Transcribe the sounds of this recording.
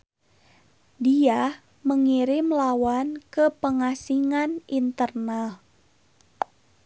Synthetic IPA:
dia | məŋiɾɪmlawankəpəŋasiŋanint̪ərnal

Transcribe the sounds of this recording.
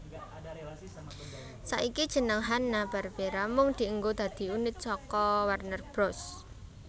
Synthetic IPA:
sa̰ʔikid̥ʒ̥ə̤nəŋɦanːab̥a̤rb̥eɾamʊŋd̪̥i̤əŋɡod̪̥ä̤d̪̥i̤unɪt̪̚sɔkɔwarnərb̥ɾɔs

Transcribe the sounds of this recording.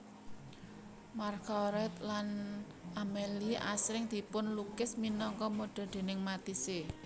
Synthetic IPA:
markɔɾɛt̪̚lan | ʔamelia̰sɾɪŋd̪̥i̤pʊnlukɪsminɔŋkɔmoɖ̥a̤d̪̥e̤nɪŋmat̪ise

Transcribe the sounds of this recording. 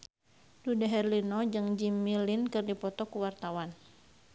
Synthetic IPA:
dudaɦɛrlinɔd͡ʒɨŋd͡ʒimilinkɨrdipɔt̪ɔkuwart̪awan

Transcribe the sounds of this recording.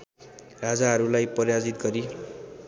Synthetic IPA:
rad͡zaɦʌɾulajpʌrjad͡zit̪ɡʌɾi

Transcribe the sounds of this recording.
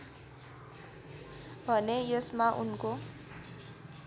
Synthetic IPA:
bʱʌnejʌsmaʔunko

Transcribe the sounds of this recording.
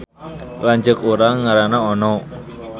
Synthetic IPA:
laɲd͡ʒəkuɾaŋːaɾanaɔnɔ

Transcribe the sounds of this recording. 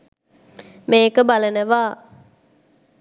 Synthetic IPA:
meːkəbalənəʋaː

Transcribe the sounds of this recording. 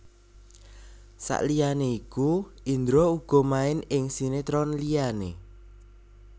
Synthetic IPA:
sa̰ʔlijaneiku | ind̪ɾouɡ̥ɔ̤maɪnɪŋsinet̪ɾɔnliane

